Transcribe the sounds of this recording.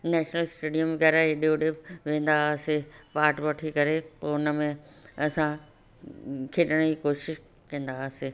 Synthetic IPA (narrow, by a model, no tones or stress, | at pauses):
nɛːʃnəlsʈeːɖijə̃mʋɣɛːɾaeɗijoɗeʋʋẽːnd̪asɪpaːʈʋɐʈʰikɐɾepːʊnəmẽ | ɐsã | kʰeɗəɽ̃əikoːʃɪʃ | kɐ̃ːn̆d̪asɪ